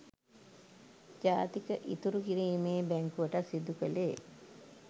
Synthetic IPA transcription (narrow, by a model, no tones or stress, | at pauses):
d͡ʒaːt̪ikəʔit̪uɾukiɾiːmeːbæŋkuʋəʈasid̪ukəleː